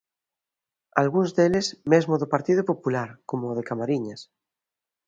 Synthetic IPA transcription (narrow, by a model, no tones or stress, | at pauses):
alɣunzðelesmezmoðopaɾt̪iðopopulaɾkomoðekamaɾiɲas